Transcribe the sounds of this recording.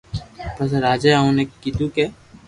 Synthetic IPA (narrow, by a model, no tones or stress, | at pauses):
pɐs̬ɾaːd͡ʒaaũnekit̪uke